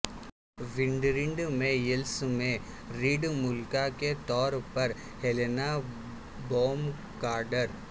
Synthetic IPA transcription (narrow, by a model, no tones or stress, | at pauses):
ʋɪ̃ɳɖɾɪ̃ɳɖmẽjɪlsmẽ | ɾiːɖmʊlkaket̪ɔːɾpɐɾ | helena | boːm | kaːɾɖəɾ